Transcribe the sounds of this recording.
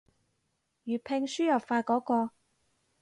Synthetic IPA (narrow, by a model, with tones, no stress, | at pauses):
jyː˨˩pʰe˧ŋsyː˥jɐ˨˩pfaː˧kɔː˨˥kɔː˧